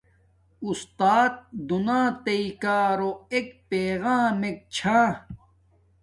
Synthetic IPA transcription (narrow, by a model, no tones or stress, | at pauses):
ust̪aːt̪̚d̪unãːt̪ɐikaːɾoekpeːɣãːmek̚t͡ɕʰãː